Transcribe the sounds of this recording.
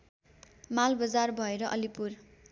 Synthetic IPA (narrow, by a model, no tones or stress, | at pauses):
malbʌd͡zarbʱʌeɾʌʔʌlipur